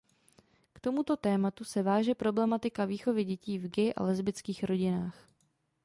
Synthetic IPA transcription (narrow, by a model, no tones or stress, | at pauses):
kt̪o̞mut̪o̞t̪ɛːmat̪usɛvaːʒɛpɾo̞blɛmat̪ɪkaviːxo̞vɪɟɛciːvɡɪʔa̰lɛzbɪt͡skiːxɾo̞ɟɪnaːx